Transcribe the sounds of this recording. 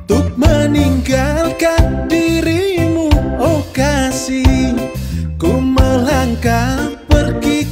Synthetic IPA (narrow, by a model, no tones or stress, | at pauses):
t̪ʊp̚məniŋɡalkandiɾimuokasi | koməlaŋkapərɡi